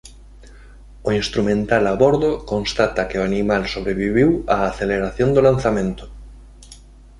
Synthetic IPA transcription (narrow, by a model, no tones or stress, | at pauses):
oinst̪ɾumẽnt̪alaβoɾðokõnst̪at̪akeoanimalsoβɾeβ̞iβ̞iwaːθeleɾaθjond̪olan̟θamẽnt̪o̥